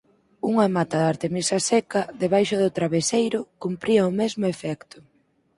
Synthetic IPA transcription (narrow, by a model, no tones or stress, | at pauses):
uŋamat̪aðaɾt̪emisasɛkaðeβajʃʊðʊt̪ɾaβesejɾʊkumpɾiɐʊmɛzmʊefɛkt̪ʊ